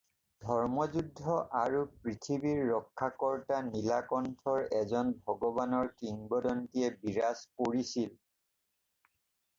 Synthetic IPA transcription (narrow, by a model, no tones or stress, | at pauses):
dʱɔɹmɔzudʱːɔʔaɹupɹitʰibiɹːɔkʰːakɔɹtanilakɔntʰɔɹɛzɔnbʱɔɡɔbanɔɹkɹiŋbɔdɔntiɛbiɹaspoɹisil